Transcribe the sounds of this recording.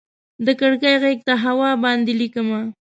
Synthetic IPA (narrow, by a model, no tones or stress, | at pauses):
d̪əkəɽɡajɣek̚t̪aɦawɑbɑnd̪elikəma